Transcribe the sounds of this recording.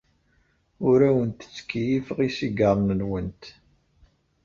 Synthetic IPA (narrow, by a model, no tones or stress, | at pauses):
ʊɾæwənt̪ə̥t͡sːkːijifʁisiɡəɾˤnəlwənt̪